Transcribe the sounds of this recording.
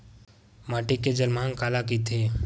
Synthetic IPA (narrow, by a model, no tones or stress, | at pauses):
maːʈikːed͡ʒəlmãŋkaːlak̬it̪ʰeː